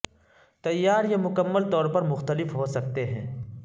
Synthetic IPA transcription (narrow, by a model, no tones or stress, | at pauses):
t̪ɐjːaːɾjemʊkəmːəlt̪ɔːɾpɐɾmʊxt̪əlɪfɦosɐk̚t̪eɦɛ̰̃ː